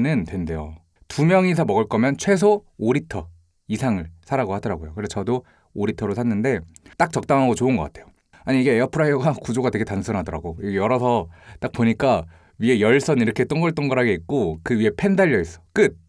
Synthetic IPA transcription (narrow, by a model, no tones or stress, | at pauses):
nɯntwe̞nde̞jo̰ | tumjʌŋisʰamʌɡɯɭk͈ʌmjʌnt͡ɕʰwe̞s̬ʰo | oɾitʰʌ | isʰaŋɯɭsʰaɾaɡohadʌɾaɡojokɯɾesʰt͡ɕʌdoː | ɾitʰʌɾosʰanːɯnde̞t͈ak̚t͡ɕʌk̚t͈aŋɦaɡot͡ɕoɯnɡʌk͈atʰe̞jo | aɲiːɡe̞eʌpʰɯɾajoɡakud͡ʑoɡatwe̞ɡe̞tansʰunɦadʌɾa̰ɡoiɡejʌɾʌsʰʌt͈ak̚poɲik͈a | ɥie̞jʌɭs͈ʌniɾʌkʰe̞t͈ʌŋɡʌɭt͈ʌŋɡʌɾɦaɡe̞ik̚k͈okɯɥie̞pʰe̞ndaʎːʌis͈ʌ̥k͈ɯd̚